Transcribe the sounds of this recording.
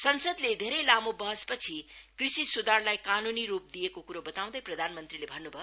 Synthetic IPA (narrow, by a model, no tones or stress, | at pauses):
sʌnsʌd̪led̪ʱeɾʌjlamobʌɦʌspʌt͡sʰikrisisud̪arlajkanuniɾup̚d̪ijekokuɾobʌt̪aw̃d̪ʌjprʌd̪ʱanmʌnt̪rilebʱʌnːubʱʌjo